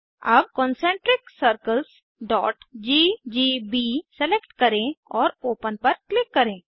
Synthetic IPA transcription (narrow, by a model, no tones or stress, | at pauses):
ɐb̚kɔ̃ːnsɛ̃ːɳʈɾɪksəɾkəls | ɖɔ̰ːʈd͡ʒiːd͡ʒiːbiːsɛlekʈkɐɾẽɔːɾoːpənpɐɾklɪkːɐɾẽː